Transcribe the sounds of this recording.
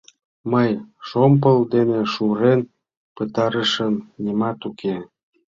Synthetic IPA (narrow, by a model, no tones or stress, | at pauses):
məjʃomp̬əld̪eneʃuɾen | pət̪ɑɾəʃəmnimɑt̪ukʰe